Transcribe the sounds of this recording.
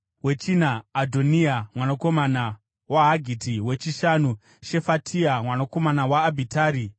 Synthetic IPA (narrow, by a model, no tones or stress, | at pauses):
we̞t͡ʃinaːdʱo̞niamwanako̞mana | waɦaɡʱitiwe̞t͡ʃiʃanu | ʃe̞fatʰiamwanako̞manawaːbʱitaːɾi